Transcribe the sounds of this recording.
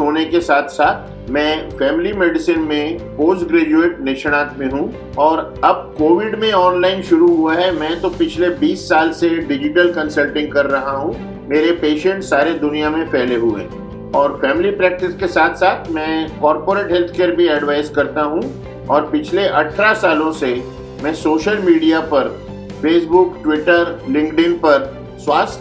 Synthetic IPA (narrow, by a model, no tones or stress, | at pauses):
ɦoːnekesaːt̪ʰsaːt̪ʰ | mɛ̃ːfɛːmɪlimeːɖɪsinmẽpoːsʈɡɾeːd͡ʒueːʈnɪʃəɽ̃aːt̪mẽɦũ | ɔːɾɐb̚koːʋɪɖmẽɔːnlaːɪnʃʊɾuɦuaɦɛmɛ̃ːt̪opɪt͡ʃʰlebiːsːaːlseɖɪd͡ʒɪʈəlkɐ̃nsəlʈɪ̃ŋɡ̚kɐɾːɐɦaɦũ | meːɾepeːʃə̃ɳʈsaːɾed̪ʊnijamẽpʰɛːleɦuḛ̃ | ɔːɾfɛːmɪlipɾɛːk̚ʈɪskesaːt̪ʰsaːt̪ʰmɛ̃ːkɔːɾpoːɾeːʈɦɛlt̪ʰkeːɾbʱiɛɖʋaːɪzkɐɾt̪aɦũ | ɔːɾpɪt͡ʃʰleʔɐʈʰɾasaːlõse | mɛ̃ːsoːʃəlmiːɖijapɐɾ | feːsbʊkʈwɪʈəɾlɪ̃ŋɡɖɪ̃npɐɾ | swaːs